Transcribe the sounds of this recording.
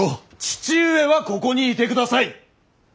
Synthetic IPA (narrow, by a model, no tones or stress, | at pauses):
o | t͡ɕi̥t͡ɕɨːe̞βako̞ko̞ɲ̟iːt̪e̞kɯ̟d̪asai